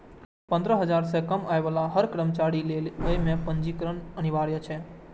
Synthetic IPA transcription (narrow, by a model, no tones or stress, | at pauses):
pə̃nd̪ɾəɦəd͡ʒaɾsekəmajʋalaɦəɾkɾəmt͡ʃaɽileəjmẽpənd͡ʒikɾəɳəniʋaɽjət͡ʃʰe